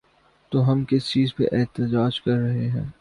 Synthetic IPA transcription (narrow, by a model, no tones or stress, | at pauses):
t̪oːɦɐmkɪst͡ʃiːzpḛʔɛːt̪əd͡ʒaːd͡ʒkɐɾːɐɦeɦɛ̰̃ː